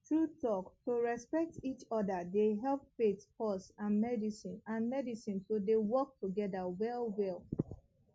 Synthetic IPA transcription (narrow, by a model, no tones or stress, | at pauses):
tʰɹutɔktoɹɛspɛk̚tit͡ʃɔdədeɦɛlpfetpɔsãnmɛdisĩnãnmɛdisĩnsodewɔk̚tʰuɡɛdəwɛlwɛlˠ